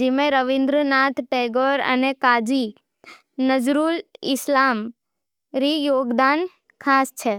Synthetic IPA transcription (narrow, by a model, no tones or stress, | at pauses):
d͡ʒimẽɾəʋĩnd̪ɾənat̪ʰʈeɡoɾə̰nekad͡ʒi | nəd͡ʒɾulɪslam | ɾijoːɡd̪an | kʰast͡ʃʰe